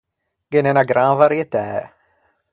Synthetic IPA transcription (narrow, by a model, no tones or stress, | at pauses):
ɡenɛnaɡɾãnvaɾjet̪ɛː